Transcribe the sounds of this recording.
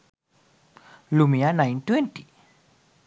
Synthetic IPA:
lumianãjntwenti̥

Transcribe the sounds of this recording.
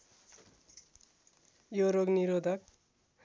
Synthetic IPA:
joɾoɡniɾod̪ʱʌk̚

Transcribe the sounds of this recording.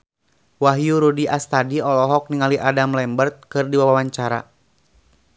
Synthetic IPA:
waɦjuɾudiʔast̪adiɔlɔɦɔk̚niŋaliʔadamlɛmbərt̪̚kɨrdiwawawaɲt͡ʃaɾa̰

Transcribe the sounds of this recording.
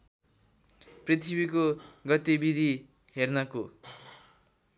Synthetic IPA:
prit̪ʰibikoɡʌt̪ibid̪ʱi | ɦernʌko

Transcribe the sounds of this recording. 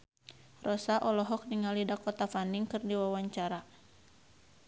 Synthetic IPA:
rɔsaʔɔlɔɦɔk̚niŋalidakɔt̪afaniŋkɨrdiwawaɲt͡ʃaɾa

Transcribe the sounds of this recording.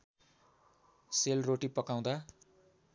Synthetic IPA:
selroʈipʌkaw̃d̪a

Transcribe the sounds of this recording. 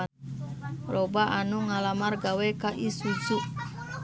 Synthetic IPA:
rʔobaʔanuŋalamarɡawɛkaʔisud͡ʒuʔ

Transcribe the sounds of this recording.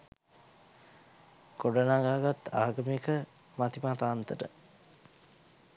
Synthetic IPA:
koɖənaɡaːɡat̪ːaːɡəmikə | mat̪imat̪aːnt̪əʈə̰

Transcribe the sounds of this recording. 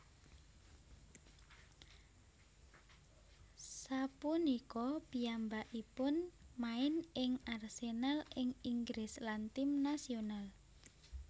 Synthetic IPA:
sapunikɔpiambaʔipʊnmaɪnɪŋarsenalɪŋiŋɡɾɪslant̪imnasional

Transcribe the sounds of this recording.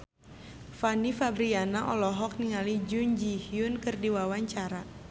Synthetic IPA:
fanifabɾianaʔɔlɔɦɔk̚niŋalid͡ʒuɲd͡ʒihjunkɨrdiwawaɲt͡ʃaɾa

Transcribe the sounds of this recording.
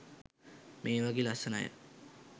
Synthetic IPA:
mʔeːʋaɡeːlasəna̰jə̰

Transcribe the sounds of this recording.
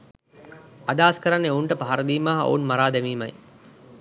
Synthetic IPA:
ad̪aːskəɾanːeouɳʈəpaɦaɾəd̪iːmaːɦɐo̰unmaɾaːd̪ɛmiːma̰j

